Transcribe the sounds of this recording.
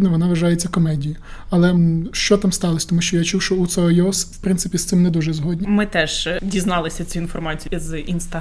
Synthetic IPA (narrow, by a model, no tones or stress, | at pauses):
d̪nɔʋɔnɑʋɐʒɑjet͡sʲːɐkɔmɛdʲijiɐlˠɛʃt͡ʃɔt̪amst̪ɑlˠɐsʲt̪ɔmuʃt͡ʃɔjat͡ʃuwʃɔut̪sɛɔjɔswpɾɪnsɪpʲist̪ɪmnɛd̪uʒɛzɦɔdʲnʲimɪt̪ɛʒdʲiznɑlˠɪsʲɐt͡sʲiinfɔrmɑt͡sʲijzinst̪ɐ